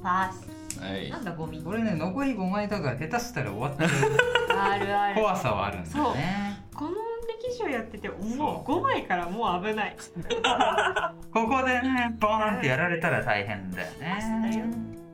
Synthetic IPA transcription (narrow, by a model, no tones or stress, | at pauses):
pas | a̰ãnd̪aɡomʲiko̞ɾe̞ne̞no̞ko̞iɡo̞maid̪aɡat̪e̞t̪asɨ̥t̪aɾa̰oβat̪ːeɯaɾɯakoβasa̰βa̰ːɾɯ̟̰̃nsoːnekõnoɾekʲiʑiojat̪ːe̞t̪e̞ʔomoɡo̞maikaɾamo̞ːabɯ̟nai | ko̞ko̞d̪e̞nepãnt̪e̞jaɾaɾe̞t̪aɾat̪aiɦẽ̞̰nd̪a̰jo̰ne̞